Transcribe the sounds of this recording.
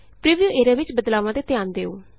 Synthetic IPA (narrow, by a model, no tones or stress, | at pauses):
pɾiːʋijuːʔeːɾaːʋɪt͡ʃbəd̪laːʋãːd̪eːt̪ɪjaːnd̪eːo̰ː